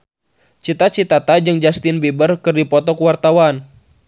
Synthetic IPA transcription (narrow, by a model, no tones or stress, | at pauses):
t͡ʃit̪at͡ʃit̪at̪ad͡ʒɨŋd͡ʒast̪inbibərkɨrdipɔt̪ɔkuwart̪awan